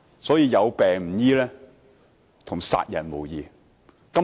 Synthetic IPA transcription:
sɔː˨˥jiː˧jɐ˨˧wpɛː˨ŋm̩˨˩jiː˥lɛː˥ | t̪ʰʊ˨˩ŋsa̰ː˧t̚jɐ˨˩nmo˨˩wjiː˨˧ | kɐ˥

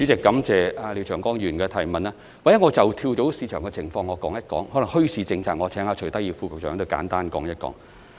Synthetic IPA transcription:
t͡ʃy˨˥t͡sɪ˨kːɐ˨˥mt͡sɛː˨˧aː˧li˨˧t͡ʃʰœː˨˩ŋkɔː˥ŋjyː˨˩nkɛː˧t̪ʰɐ˨˩jmɐ˨naː˥ | wa˨jɐ˥ŋɔː˨˧t͡sɐ˨˩wt̪ʰiː˧wt͡so˨˥wsiː˨˧t͡ʃʰœː˨˩ŋkɛ˧t͡sʰɪ˨˩ŋfɔː˧ŋːɔː˨˧kɔː˨˥ŋjɐ˥t̚kɔ̰ː˨˥ŋhlɐ˨˩ŋhɵ˥ɥt͡sʰiː˨˧t͡sɪ˧ŋt͡sʰaː˧˩ŋɔ˨˧t͡sʰɛː˨˥ŋhaː˧t͡ʃʰt̪ɐ˥ji˧wfuː˧k̚sœː˨˥ŋt̪o˧wka̰ː˨˥nt̪aː˥nkɔ̰ː˨˥ŋjɐ˥t̚kɔ̰ː˨˥ŋ

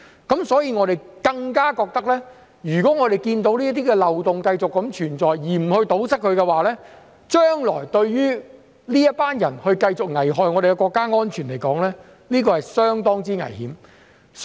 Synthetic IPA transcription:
kɐ˨˥msɔː˨˥jiː˧ŋɔː˨˧ɾe˨jkɐ˧ŋkaː˥kɔː˧k̚t̪ɐ˥k̚lɛː˥ | jyː˨˩kɔː˨˥ŋɔː˨˧ɾe˨jkiː˧nt̪o˨˧˥wliː˥t̪̬iː˥kɛ˧lɐ˨wt̪ʊ˨ŋkɐ˧jt͡sʊ˨kːɐ˨˧˥mt͡ʃʰyː˨˩nt͡sɔː˨jjiː˨˩m̩˨˩hɵ˧ɥt̪o˨˥wsɐ˥k̚ʰɵ˨˧ɥkɛ˧waː˨˩lɛː˥ | t͡ʃœː˥ŋlɔ̰ː˨˩jt̪ɵ˧ɥjyː˥ | liː˥jɐ˥t̚paː˥njɐ˨˩nhɵ˧ɥkɐ˧jt͡sʊ˨k̚ŋɐ˨˩jɦɔː˨jŋɔː˨˧ɾe˨jkɛ˧kɔː˧kːaː˥ŋɔː˥nt͡ʃʰyː˨˩nle˨˩jkɔː˨˥ŋlɛː˥ | liː˥k̬ɔː˧hɐ˨jsœː˥ŋt̪ɔː˥ŋt͡siː˥ŋɐ̰˨˩jhiː˨˥m | s

